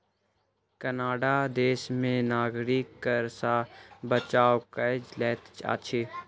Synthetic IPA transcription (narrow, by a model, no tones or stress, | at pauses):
kənaːɖad̪eːsmẽnaːɡɾikːəɾsabət͡ʃaːwkəd͡ʒlɛːt̪t͡ʃa̰ːt͡ʃʰeː